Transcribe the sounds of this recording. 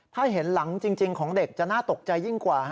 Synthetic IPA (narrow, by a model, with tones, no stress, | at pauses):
t̪ʰaː˥˩ɦe˩˦nla˩˦ŋt͡ɕi˧ŋt͡ɕi˧ŋkʰɔː˩˦ŋde˨˩k̚t͡ɕa˨˩naː˥˩t̪o˨˩k̚t͡ɕa˧jːi˥˩ŋkwaː˨˩˦